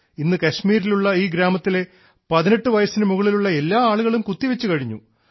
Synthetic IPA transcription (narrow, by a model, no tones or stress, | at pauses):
inːɨkɐɕmiːɾiluɭːɐiːɡɾaːmɐt̪ːile̞ | pɐðine̞ʈːɨʋɐjɐsinɨmuɣɐɭiluɭːɐe̞lːaːaːɭuɣɐɭumkut̪ːiʋet͡ɕːukɐɻiɲːṵ